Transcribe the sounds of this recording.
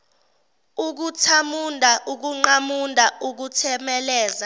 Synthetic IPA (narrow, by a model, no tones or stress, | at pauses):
uk̬utʰamundʱaʔuk̬uŋ͡ǃamundʱauk̬utʰɛmɛlɛːza